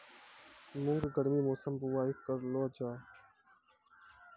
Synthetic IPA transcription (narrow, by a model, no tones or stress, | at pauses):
mʊŋɡɡəɽmiːmoːsəmbʊwaːɪkːəɾloːd͡ʒaː